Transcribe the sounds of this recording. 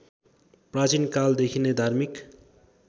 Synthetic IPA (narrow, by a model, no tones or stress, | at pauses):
prat͡sinkald̪ekʰined̪ʱarmik